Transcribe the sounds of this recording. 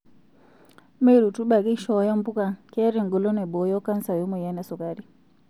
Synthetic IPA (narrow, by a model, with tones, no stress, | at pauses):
me˦ɾu˨tu˦ɓa˨ɡi˦ʃɔ˨˦jɔ˦m˦bu˦ka˨kɛ˦ɾe˨ŋɡo˨lo˦nɛ˨bo˨˦jɔ˦ka˦nsa˨jo˦mɔ˨ja˨˦nɛ˨su˨ka˨ɾi˦